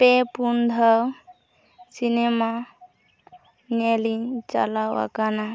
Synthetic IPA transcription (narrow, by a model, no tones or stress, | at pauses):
pepund̪ʱəw | sinema | neliŋt͡ʃa̰lawa̰kana